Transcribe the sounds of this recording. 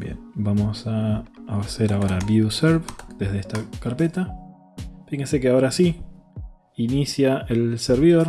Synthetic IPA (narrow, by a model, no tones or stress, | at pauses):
bjḛnbamosaː | seɾaoɾaβjuseɾβd̪̥e̞zðeest̪akaɾpe̞t̪a | fixensekeao̞ɾasi | inisjaelseɾβiðo̞ɾ